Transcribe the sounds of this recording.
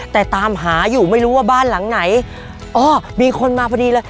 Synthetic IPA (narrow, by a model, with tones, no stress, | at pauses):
t̪ɛː˨˩t̪aː˧mɦaː˩˦juː˨˩ma˥˩jɾuː˦˥waː˥˩baː˥˩nla˩˦ŋna˩˦j | ʔɔː˧˩miː˧kʰo˧nmaː˧pʰɔː˧diː˧lɤː˧˥j